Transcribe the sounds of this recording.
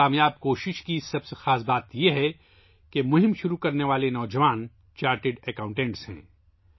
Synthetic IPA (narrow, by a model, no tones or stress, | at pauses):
aːmjaːb̚koːʃɪʃkisɐbsexaːs̬baːt̪jeɦɛ | kemʊɦɪ̃mʃʊɾukɐɾneʋaːlenɔːd͡ʒɐʋaːn | t͡ʃaːɾʈɪɖɛkãʊ̃ɳʈɛ̃ːɳʈsɦɛ̰̃ː